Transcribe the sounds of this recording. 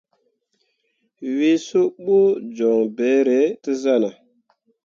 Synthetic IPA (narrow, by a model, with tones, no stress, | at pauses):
wi˦so˦ɓo˦d͡ʒɔ˨ŋbɛ˨˦ɾe˨˦ti˦za˦˨na˨